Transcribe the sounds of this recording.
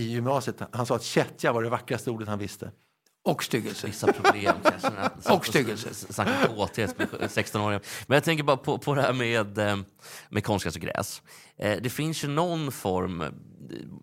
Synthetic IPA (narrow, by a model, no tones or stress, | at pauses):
ɪjʏmnɑːsɪət̪hansɑːat̪ɕɛt̪ʰjavaɖɛvakːɾast̪əuːɖət̪hanvɪst̪ə̰ | ɔkst̪ʏɡəlsəvɪsːapʰɾʊbleːmkasɔkst̪ʏɡəlsəsnakːaoːt̪ʰeːpsɛkst̪ɔnoːɾɪɡamɛnjat̪ʰɛŋk̬əɾbɑːɾapʰɔpʰɔd̪ɛhæɾmed̪ | mʔɛkʰɔnskasɔɡɾɛ̰ːs | d̪ɛfɪnsjɵnɔnːfɔɾm